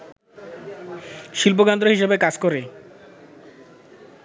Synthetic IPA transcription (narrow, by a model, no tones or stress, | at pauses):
ʃilp̬okand̪ɾoɦiʃebekad͡ʑkoɾe